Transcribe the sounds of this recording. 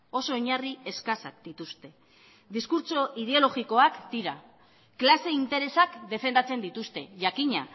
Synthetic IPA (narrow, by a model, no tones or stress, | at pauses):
o̞so̞ːɲarie̞skasa̰k̚d̪̥it̪ust̪e̞ | d̪iskuɾt͡so̞ʔið̞e̞o̞lo̞ɣiko̞akt̪iɾa | klase̞int̪e̞ɾe̞sakd̪e̞fe̞nd̪at͡se̞nd̪it̪ust̪e̞ʝakiɲa̰